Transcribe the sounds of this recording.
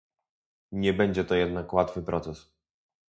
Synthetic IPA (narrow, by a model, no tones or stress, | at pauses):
ɲɛbɛɲd͡ʑɛt̪ɔjɛd̪nakwat̪fɘpɾʔɔt̪sɛs